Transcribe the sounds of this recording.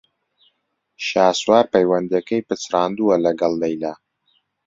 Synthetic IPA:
ʃaːswaːɾpɐjwɐnd̪iɛkɛjpɨt͡srɑːnd̪uːɐlɐɡɐlˠːɛjlaː

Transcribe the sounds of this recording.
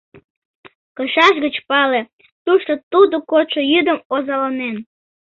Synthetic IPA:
kəʃɑʃɣət͡ɕpɑle̽ | t̪uʃt̪ot̪ud̪okoʃojyd̪əmozɑlɑnen

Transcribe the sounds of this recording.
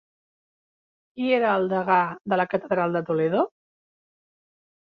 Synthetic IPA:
kieɾəːlˠd̪əɣaðələkət̪əðɾalˠd̪ət̪uleðo

